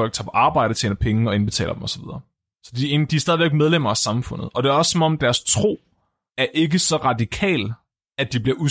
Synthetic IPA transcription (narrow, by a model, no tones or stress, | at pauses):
ɒl̰ɡ̥̚t͡sʰɑ̈ːpʰɒ̽ʔɑ̈ːb̥ɑ̈ɪ̰ɾ̥ət͡sʰḛːnɐpʰeŋɒ̽enb̥e̝t͡sʰɛ̰ːlɐd̥emɒ̽sɒ̥ʋið̞ˠɐː | sɒ̽d̥iend̥iæɐsd̥ɛð̞ˠʋe̝ɡ̥með̞ˠlem̰ɐæsɑ̈mfɔ̽n̰ð̩ˠɒ̽d̥e̝æɐɒ̽ssɒ̽mɒ̽md̥æɐst͡sʰʁo̝̰ː | æɐʔe̝ɡəsɒ̽ʁɑ̈dikʰɛ̰ːl | æd̥ib̥liɐʔu